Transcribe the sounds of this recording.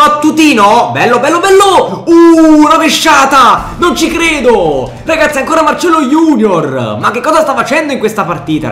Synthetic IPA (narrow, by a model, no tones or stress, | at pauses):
bat̪ːut̪iːnobɛlːobɛlːobɛlːounaveʃːaːt̪a | nont͡ʃikɾeːd̪o | raɡat̪siaŋkoːɾamart͡ʃɛlːojuːnjormak̟ːekːɔːzast̪afːat͡ʃɛnd̪oiŋkwest̪apart̪iːt̪a̰